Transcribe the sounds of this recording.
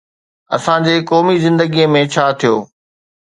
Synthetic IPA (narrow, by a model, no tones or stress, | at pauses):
ɐsãd͡ʑeːkɔːmizɪ̃nd̪əɡijə̃mẽt͡ɕʰaːt̪ʰijo̰ː